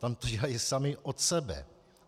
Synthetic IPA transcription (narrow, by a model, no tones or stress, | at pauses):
t̪amt̪oɟɛlajɪsamɪʔot̪sɛbɛ̰